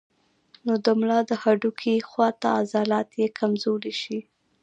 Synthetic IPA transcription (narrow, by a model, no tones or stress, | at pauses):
nod̪əmlɑd̪əhaɖukʰixwɑt̪aːzɑlɑt̪jekʰamzoɾeʃi